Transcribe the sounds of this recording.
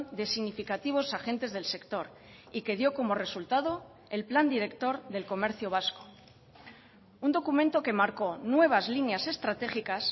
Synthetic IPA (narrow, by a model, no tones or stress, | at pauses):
nd̪e̞siɣnifikat̪iβ̞o̞saxe̞nt̪e̞zðe̞lse̞kt̪o̞ɾ | ike̞ðjo̞ko̞mo̞re̞sult̪aðo̞ | elpland̪iɾe̞kt̪o̞ɾðe̞lko̞me̞ɾθjo̞β̞asko̥ | und̪o̞kumẽnt̪oke̞maɾko̞nwe̞β̞azlinjase̞st̪ɾat̪e̞xikas